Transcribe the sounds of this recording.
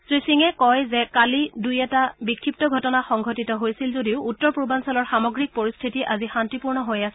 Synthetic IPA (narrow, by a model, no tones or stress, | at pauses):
sɹisiŋɛkɔjzɛkalidujɛtabikʰːip̚tɔɡʱɔtɔnaxɔŋɡʱotitɔɦojsilzodiʊutːɔɹpɹobansɛlɔɹxamɔɡɹik̚poɹist̪ʰitiʔazixantipuɹnɔɦojas